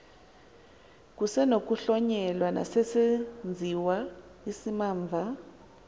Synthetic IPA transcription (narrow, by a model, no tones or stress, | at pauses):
k̬ʼusɛnok̬ʼuɬɔɲɛlwana̰sesend͡zʱiwaisimaːɱvʱa